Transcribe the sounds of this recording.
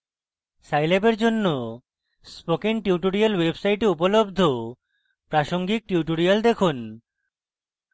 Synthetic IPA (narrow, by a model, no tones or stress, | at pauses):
sajlebeɾd͡ʑonːo | spokiŋʈiwʈoɾialwebsajʈeupolobd̪ʱo | pɾaʃoŋɡik̚ʈiuʈoɾijald̪ekʰun